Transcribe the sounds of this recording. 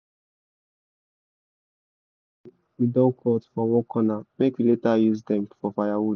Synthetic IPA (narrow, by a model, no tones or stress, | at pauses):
widɔ̃nkʰɔtfɔwɔ̃kʰɔnamekwiletajuzd̪ɛ̃mfɔfajawud